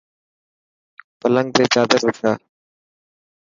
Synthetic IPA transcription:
pələ̃ŋɡ̚t̪eːt͡ʃaːd̪əɾʋɪkʰaː

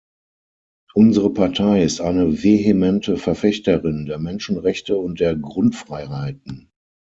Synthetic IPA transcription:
ʔʊnzəʁəpʰaɐtʰaɪɪstʔaɪnəveemɛntʰəfɛɐfɛçtɐʁɪndeːɐmɛnʃn̩ʁɛçtəʊnt̚d̥eːɐɡʁʊntfʁ̥aɪɦaɪt̚n̩

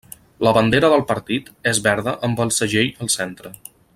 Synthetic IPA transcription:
ləβənd̪eɾəðəlˠpəɾt̪it̪ezβɛɾðəʔəmbəlˠsəʒejəlˠsent̪ɾə

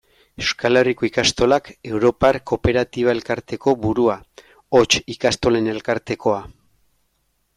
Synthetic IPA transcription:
eskaleriko̞ikast̪o̞lake̞wɾo̞paɾko̞pe̞ɾat̪iβae̞lkaɾt̪e̞ko̞βuɾua | ot͡ʃikast̪o̞le̞ne̞lkaɾt̪e̞ko̞a

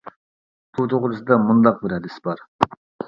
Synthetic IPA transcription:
b̥ut̪ʰoʁʊɾɨsɨd̪ɑmund̪ɑq̚bɪɾhɛd̪ɪsbɑɾ

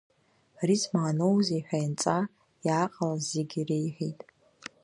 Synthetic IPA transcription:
rizmaːnowzeħʷᶣajnt͡sʼa | jaqʼalazeɡʲirejħʷijtʼ

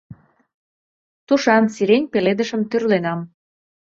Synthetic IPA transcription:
t̪uʃɑnsiɾenʲpeled̪əʃə̆mt̪yrlenɑm

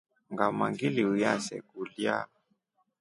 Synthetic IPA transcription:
ŋɡamaŋɡiliujasɛ̰ɡulja̰

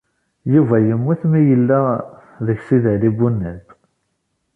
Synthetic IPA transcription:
juvæjəmːuθmijəlːæ | ðəçsiðəlibːunːæd̪

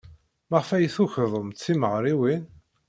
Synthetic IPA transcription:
məʁfæjθuçðˤəmt̪θiməʁɾˤiwin

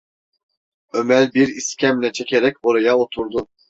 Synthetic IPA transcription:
ømælʲbiɾiscʲʰæmlʲɛt͡ʃʰe̞cʲʰe̞ɾɛcʲo̞ɾajaot̪ʰuɾd̪u

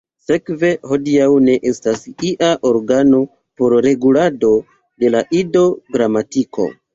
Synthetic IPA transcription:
se̞kve̞ho̞diawne̞ʔestasiʔaʔo̞ɾɡano̞ | po̞ɾɾe̞ɡulado̞ | de̞laʔido̞ɡɾamatikʰo̞̰

